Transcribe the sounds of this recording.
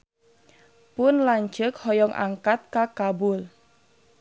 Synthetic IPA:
pʊnlaɲt͡ʃəkhɔjɔŋʔa̰ŋkat̪̚kakabʊl

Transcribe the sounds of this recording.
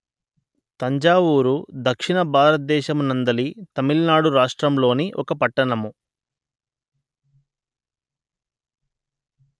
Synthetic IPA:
t̪ɐɲd͡ʒaːʋuːɾud̪ɐkʂiɳɐbʱaːɾɐt̪̚d̪ɛːʃɐmunɐnd̪ɐlit̪ɐmilnaːɽuɾaːʂʈɾɐmlo̞ːniʔɔ̰kɐpɐʈːɐɳɐmu

